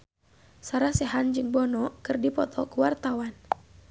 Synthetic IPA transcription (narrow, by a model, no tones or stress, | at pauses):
saɾasɛɦand͡ʒɨŋbɔnɔkɨrdipɔt̪ʰɔkuwart̪awan